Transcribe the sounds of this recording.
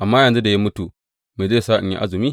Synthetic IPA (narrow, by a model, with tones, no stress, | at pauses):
ʔa˨mːaː˦jɐ˨nzu˦da˨ja˦mʊ˦tu˨ | me˨ze˦˨saː˦ʔɪ̰˨ɲjḭ˦ʔa̰˦zɪ˨miː˦